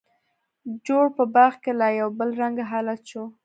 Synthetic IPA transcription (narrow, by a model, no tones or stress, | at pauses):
d͡ʒoɽpəbaɾxkelajawbəlɾaŋɡaɦalat̪ʃo